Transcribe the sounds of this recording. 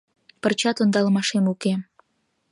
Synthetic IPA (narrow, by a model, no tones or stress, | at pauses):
pərt͡ɕɑt̪ond̪ɑləmɑʃemuke